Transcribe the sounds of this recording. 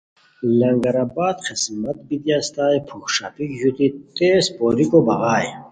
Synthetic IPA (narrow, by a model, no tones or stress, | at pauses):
lɐŋɡɐɾaːbaːd̪qismɐt̪̚bid̪jaːst̪aːjpʰukʂa̰ːpikʑut̪it̪eːspoːɾikobɐɣaːj